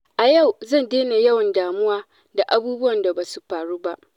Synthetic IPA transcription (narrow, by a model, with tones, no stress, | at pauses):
ʔa˨ja˦˨wzɐ˦˨ndeː˦na˨jɐ˦wɐ˨ndaː˨mʊ˦waː˦ | da˨ʔa˨buː˦bʊ˦wɐ˨nda˨baː˨su˦ɸaː˨ɽuː˦ba˦ʔ